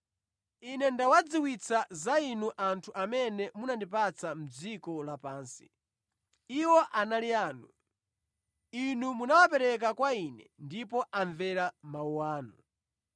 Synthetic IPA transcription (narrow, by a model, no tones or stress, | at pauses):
inɛndawad͡ziwit͡sʰazainuʔantʰuʔamɛnɛmunandipat͡sam̩d͡zikɔlapaːnsi̥ | iwɔʔanaliaːnu | inumunawap̬ɛɾɛk̬akwainɛndip̬ɔʔaɱvɛɾamauwaːnu